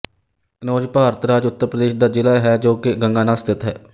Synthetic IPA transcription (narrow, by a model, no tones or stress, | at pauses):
ənoːd͡ʒpaːɾət̪ɾaːd͡ʒʊt̪ːəɾpɾəd̪eːʃd̪aːd͡ʒɪlaːɦɛːd͡ʒoːkɪɡəŋɡaːnaːst̪ɪt̪ɦɛ̰ː